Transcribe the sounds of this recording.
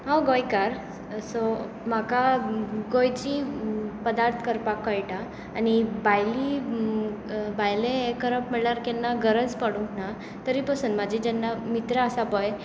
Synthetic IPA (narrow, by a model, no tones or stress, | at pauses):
ɦawɡojkaɾ | so | makaɡojt͡ɕipəd̪aɾt̪ʰə̥kəɾpakːəjʈaː | nibajli | bajlẽekəɾəpmɛɭaɾkɛnːaɡəɾəd͡zpəɽũŋkna | t̪əɾipəsuːnmad͡ʑʱid͡ʑɛnːamit̪ɾəəsabɔj